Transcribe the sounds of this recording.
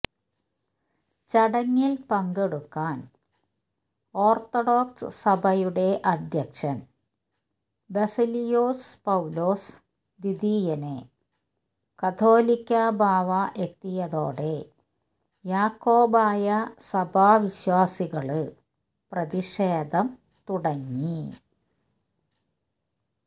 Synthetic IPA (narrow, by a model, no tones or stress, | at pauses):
t͡ɕɐɽɐŋːilpɐŋɡeɽukːaːn | o̞ːrt̪oɽo̞ːksɨ̰sɐbʱɐjuɽe̞ʔɐd̪ʱjɐkʂɐn | besilijoːspɐwlo̞ːs | d̪id̪iːjɐne | kɐt̪ʰo̞ːlikʲːɐbʱaːʋɐʔekt̪ːijɐðo̞ːɽe | jaːkːo̞ːbaːjɐsɐbʱaːʋiɕwaːsiɣɐɭɨ | prɐðiʂeːd̪ʱɐm | t̪uɽɐŋːi